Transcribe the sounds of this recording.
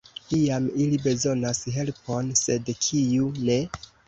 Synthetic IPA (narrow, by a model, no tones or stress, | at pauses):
iamilibe̞zo̞nasɦe̞lpo̞nse̞dkʰiune̞